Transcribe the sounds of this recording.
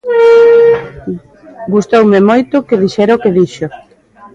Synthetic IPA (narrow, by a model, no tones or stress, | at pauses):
ɡust̪owmemojt̪ʊkeðiʃɛɾaokeðiʃo